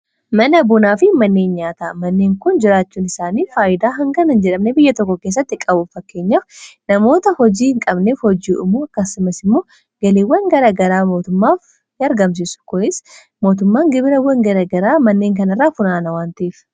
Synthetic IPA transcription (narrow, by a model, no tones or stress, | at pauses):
mɐnɐbʊnaːfɪmɐnːe̞ːnɲaːt̪amɐnːeːŋkʊnd͡ʒɪɾaːt͡ʃːuːnɪsaːniːfaːʔɪd̪aːɦɐŋɡɐnɐnd͡ʒɛᶑɐmnɛbɪjːɐt̪ɔkːɔke̞ːs̬ːɐt̪ːɪkʼɐbʊfɐkːe̞ːɲːaːfnɐmo̞ːt̪ɐhɔd͡ʒiːhɪŋkʼɐbneːfhɔd͡ʒiːɪ̰mːoːɐkːɐsʊmɐsɪmːo̞ː | ɡ̥ɐleːwːɐŋɡɐɾaːɡɐɾaːmo̞ːt̪ʊmːaːf | nɪɐɾɡɐms̬isʊ̥kɔʔɪs | mo̞ːt̪ʊmːaːŋɡɪbɪɾɐwɐŋɡɐɾɐɡɐɾaːmɐnːeːŋkɐnɐrːaːfʊnaːnɐwaːnt̪ɐiːf